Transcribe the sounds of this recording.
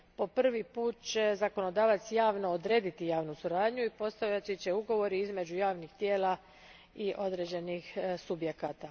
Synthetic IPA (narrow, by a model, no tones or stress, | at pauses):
po̞pr̩ʋipuːt̪̚t͡ɕe̞zako̞no̞d̪aːʋat̪sjaːʋno̞od̪ɾe̞ːd̪it̪ijaːʋnusuɾaːd̪ɲuipo̞st̪aʋʎat͡ʃit͡ɕe̞uɡo̞ʋo̞ɾiizme̞d͡ʑujaːʋnixt̪jeːla | iʔo̞d̪ɾeːd͡ʑe̞nixsubje̞kaːt̪a